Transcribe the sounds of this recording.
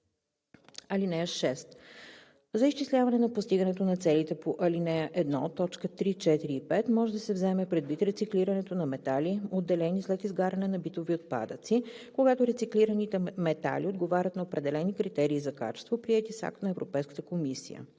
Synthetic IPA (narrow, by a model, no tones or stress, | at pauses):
ɐlinɛʃɛst̪ | zəiʃt͡ʃislʲavɐnɛnɐpost̪iɡənɛt̪onɐt̪sɛlit̪ɛpoʔɐlinɛʔɛd̪nɔt̪ːɔt͡ʃkət̪ɾit͡ʃɛt̪iɾiːpɛt̪mɔʒɛd̪ɐsɛvzɛmɛpɾɛd̪vit̪ɾɛt̪sikliɾɐnɛt̪onɐmɛt̪aliod̪ːɛlɛnislɛt̪izɡaɾɐnɛnɐbit̪oviot̪̚pa̰d̪ət̪si | koɡat̪oɾɛt̪sikliɾənit̪ɛmɛt̪a̰liod̪ɡovaɾʲət̪nɐopɾɛd̪ɛlɛnikɾit̪ɛɾiːzɐka̰t͡ʃɛ̥st̪vopɾiɛt̪isa̰kt̪nɐɛvɾopɛjskət̪əkomisḭjə̰